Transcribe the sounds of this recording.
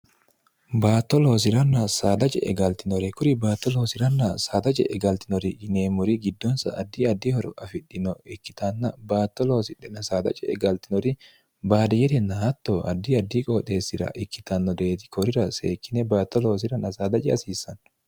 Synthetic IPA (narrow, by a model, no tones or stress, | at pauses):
baːt̪ːɔlo̞ːs̬ɪɾɐnːɐsaːd̪ɐt͡ʃʼɛ̰ɛɡɐlt̪ɪnɔɾɛkʊɾɪbaːt̪ːɔloːsɪɾɐnːɐsaːd̪ɐt͡ʃʼɛ̰ʔɛɡɐlt̪ɪnɔɾɪd͡ʒɪneːmʊɾiɡɪd̪ːɔnsɐʔɐd̪ːiɐd̪ːiːhɔɾɔ̰ʔɐfɪᶑːɪnɔɪkːɪ̥t̪anːɐbaːt̪ːɔloːsɪᶑɛnɐsaːd̪ɐ̰t͡ʃʼɛɛɡɐlt̪ɪnɔɾɪ | baːd̪ɛjɛɾɛnːɐhɐt̪ːoːɐ̰d̪ːiɐd̪ːiːkʼoːt̪ʼe̞ːsːɪɾɐ̰ʔɪkːɪt̪ɐnːɔd̪eːt̪ɪ̥kʰɔɾɪɾɐsḛːkːɪnɛbaːt̪ːɔloːs̬ɪɾɐnɐsaːd̪ɐt͡ʃʼɛɐsiːsːɐn